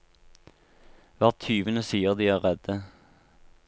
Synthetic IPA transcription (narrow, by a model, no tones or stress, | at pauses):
ʋæʁt̪ʰyːʋənəsiːəʁd̪iːæːʁʁɛd̪ə